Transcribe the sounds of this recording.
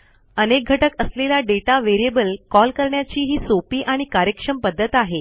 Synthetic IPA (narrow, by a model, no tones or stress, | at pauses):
ənek̚ɡʱəʈəkəsleljaɖeʈaʋeɾiebəlkɔlkəɾɳjat͡ɕiːɦiːsopiːʔaɽ̃ikaɾjəkʂəmpəd̪ʱːət̪aɦe